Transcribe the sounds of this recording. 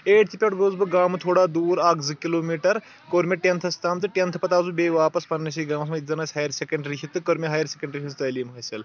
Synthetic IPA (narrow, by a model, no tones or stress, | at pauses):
eːʈ̚t̪ʰipʲɐʈɡoːzbɨɡaːmɨt̪ʰoːɽaːd̪uːɾaːkzɨkiloːmiːʈɐɾ | koɾmʲeʈent̪ʰɐst̪ʰaːmt̪ɨʈʲent̪ʰpɐt̪aːzubeːʋaːpɐspɐnnɐsiɡaːmɐs̬mɐit̪ʲzɐnaːsʲɦaːjɐɾsekɐɳɖɾiʃʰit̪ːɨkɐɾmiɦaːjɐɾsʲekʲɐɳɖɾiɦʰist̪ɐliːmɦɐːjsel